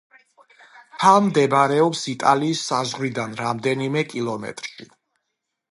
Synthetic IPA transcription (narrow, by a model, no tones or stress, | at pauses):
t̪ʰalˠmd̪ɛbɾɛɔpsit̪ʼaliːsːazʁɾid̪anɾamd̪ɛnimɛkʼilˠɔmɛ̰t̪ʼɾʃi